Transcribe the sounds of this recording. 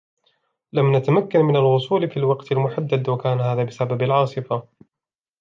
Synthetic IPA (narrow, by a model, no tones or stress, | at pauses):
lamnat̪amakːanmɪnalwʊsˤuːlfiːlwɑqt̪almʊħad̪ːad̪wakaːnhaːðaːbɪsababalʕɑːsˤɨfa